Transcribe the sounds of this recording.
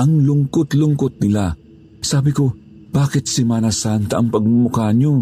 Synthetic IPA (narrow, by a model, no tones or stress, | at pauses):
ʔɐŋlʊŋkot̪lʊŋkot̪̚nɪla | saːbɪko | b̥aːkɪt̪̚sɪmaːnɐsant̪ɐʔɐŋpɐɡ̚mʊkaːɲo